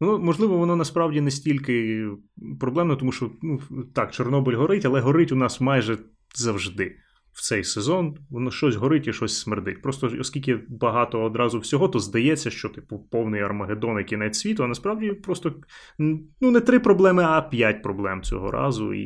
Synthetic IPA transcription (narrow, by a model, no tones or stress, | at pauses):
ʋɔnɔmɔʒlˠɪʋɔʋɔnɔnɐspɾɑwdʲinɛsʲtʲilʲkɪ | pɾɔblˠɛmnɐt̪ɔmuʃt͡ʃɔnut̪ɑkt͡ʃɔrnɔbɪlʲɦɔɾɪtʲɐlˠɛɦɔɾɪtʲʊnɑsmɑjʒɛ | zɐwʒd̪ɪ | wt̪sɛjsezɔnɔnɔʃt͡ʃɔsʲɦɔɾɪtʲiʃt͡ʃɔsʲsmerd̪ɪtʲpɾɔst̪ɔɔsʲkʲilʲkɪbɐɦɑt̪ɔːd̪ɾɑzʊwsʲɔɦɔt̪ɔzd̪ɐjɛt͡sʲːɐʃt͡ʃɔt̪ɪpʊpɔwnɪjɐrmɐɦed̪ɔnɪjkʲinɛt͡sʲsʲʋʲit̪ʊɐnɐspɾɑwdʲipɾɔst̪ɔ | nunɛt̪ɾɪpɾɔblˠɛmɪɐpʲjatʲpɾɔblˠɛmt͡sʲɔ̰ɦɔ̰ɾɑ̰zʊ̰ḭ